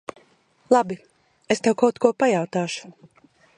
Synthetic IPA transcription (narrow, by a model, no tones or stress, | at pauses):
lˠabi | est̪ɛwkawt̪kuɔpajawt̪aːʃu̥